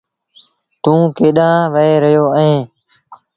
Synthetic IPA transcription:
t̪ũːkeːɗãːʋəeːɾəjoːəẽː

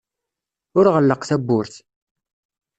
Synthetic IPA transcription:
ʊɾʁəlːəqθæbːʊɾθ

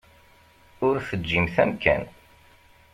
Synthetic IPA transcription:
ʊɾθəd͡ʒːimθæmkʰæ̰n

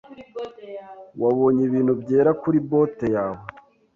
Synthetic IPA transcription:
waβo̞ːɲiβiːn̥hubɟeːɾakuɾibotejaːβo

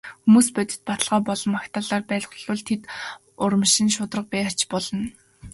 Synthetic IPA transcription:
xumuːspœt̪ʲɪ̥̆t̪̚pat̪ə̆ɮʁɔːpɔɮɞ̆makt̪ʰaːɮaːrpæːɮʁ̆ɮʊ̆ɮt̪ʰet̪ | ʊɾə̆mʃɪ̆nʃʊt̪rə̆q̚pæːat͡ɕpɔɮɞ̆n

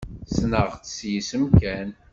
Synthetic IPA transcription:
snəʁt͡sə̥sjisəmkæn

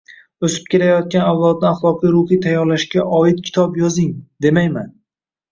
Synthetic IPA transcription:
ɵsɪ̥p̚kʲʰeɾajɒt̪̚kʲanawlˠɒd̪̚nɪaχlˠɒqijɾʊhijt̪ʰajːɒɾlaʃɡʲaʔɒɪt̪̚kʲʰɪ̥t̪ʰɒpjɒzɪŋd̪e̞majman

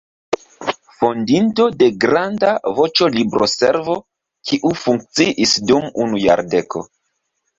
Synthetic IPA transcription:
fo̞ndinto̞de̞ɡɾandavo̞t͡ʃo̞libɾo̞se̞ɾvo̞ | kʰiʔufuŋk̚t͡siʔisdumunuja̰ɾde̞kʰo̞̰

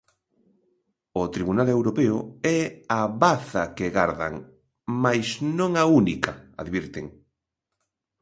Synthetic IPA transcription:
ʊt̪ɾiβunalewɾopeʊɛaβaθɐkeɣaɾða̰ŋ | majsnõŋaunikaa̰ðβiɾt̪ḛŋ

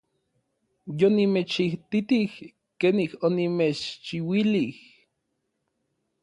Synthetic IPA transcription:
jonimet͡ʃiht̪it̪ih | keːnihonimet͡ʃt͡ʃiwilih

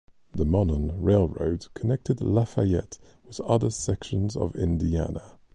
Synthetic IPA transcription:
ðəmɒdənɹeɪlˠɹə̰ʊdkʰənɛk̚tʰɪdlafajɛ̰t | wɪðʌðəsɛkʃə̃nzə̰vɪ̰̃ndia̰nə

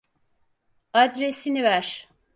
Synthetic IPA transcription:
ad̪ɾesinivæɾ̥

